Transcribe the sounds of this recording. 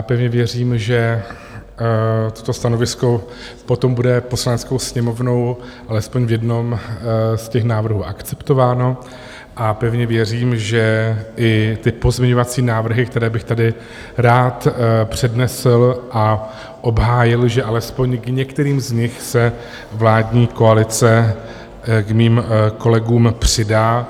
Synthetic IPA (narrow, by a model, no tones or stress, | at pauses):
japɛvɲɛvjɛr̝iːmʒɛ | t̪o̞̥t̪o̞st̪ano̞vɪsko̞ | po̞t̪o̞mbudɛpo̞slanɛt͡sko̞wsɲɛmo̞vno̞w | ʔalɛspo̞ɲvjɛdno̞mscɛxnaːvr̩ɦuːʔakt͡sɛ̥pt̪o̞vaːno̞ | ʔapɛvɲɛvjɛr̝iːmʒɛʔɪt̪ɪpo̞zmɛɲo̞vat͡siːnaːvr̩ɦɪkt̪ɛɾɛːbɪxt̪adɪ | ɾaːt̪pr̝̥ɛdnɛslʔa | ʔo̞bɦaːjɪlʒɛʔalɛspo̞ɲɡɲɛkt̪ɛɾiːmzɲɪxsɛ | vlaːdɲiːko̞alɪt͡sɛ | kmiːmko̞lɛɡuːmpr̝̥ɪdaː